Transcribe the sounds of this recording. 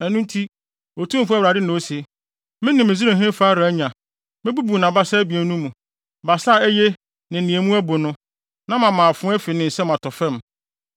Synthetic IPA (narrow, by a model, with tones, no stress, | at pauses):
ɛ˨nũ˦n˦tʰi˦ | o˨tʰũ˦m̩˨fu˦æ˦˨ɾa˨dɪ˦nã˨o˦si˨ | mɪ̃˦nɪ̃˨mɪ̃˨zi˦ẽ˨ɦɪ̃˦faː˦ɾa˨æ˦ɲã˨ | mɪ̃˦bu˦bu˨nã˨ba˦saː˦bi˨e˨˦nũ˦mũ˨ | ba˨sa˦˨æ˦je˦ | nɪ̃˨nĩ˨e˨mũ˦æ˦bʊ˨nʊ̃˦ | nã˦mã˨mãː˨a˨fʊ̃˦ɛ˦fi˨nɪ̃˨n̩˨sɛ˦m˨ã˨tʰɔ˨fɛ̃˦˨m